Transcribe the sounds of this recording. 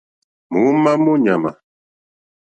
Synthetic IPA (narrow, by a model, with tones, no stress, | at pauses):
mu˨˦ma˦mu˦ɲa˨ma̰˨